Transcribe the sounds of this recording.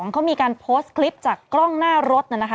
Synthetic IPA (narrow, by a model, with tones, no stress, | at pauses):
ɔ˩˦ŋkʰa˦˥wmiː˧kaː˧npʰoː˦˥st̪kʰli˦˥p̚t͡ɕaː˨˩kːɾɔ˥˩ŋnaː˥˩ɾo˦˥t̪̚ʔa˧˩na˦˥kʰ